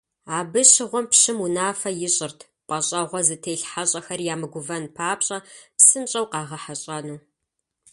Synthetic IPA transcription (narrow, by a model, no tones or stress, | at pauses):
aːbɨɕɪʁʷɔmpɕɪmunaːfɐjɪɕʼɪrtʰ | pʼɐɕʼɐʁʷɔzɨtʰejɬħaɕʼɐxɐrjaːmɨɡʷʊvɐnpʰaːpɕʼɐpsɨmɕʼɐwqɑːʁɐħaɕʼɐnuː